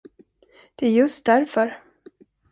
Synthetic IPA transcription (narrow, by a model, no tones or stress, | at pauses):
d̪̥ɛæɾjɵst̪̚d̪æɾfœɾ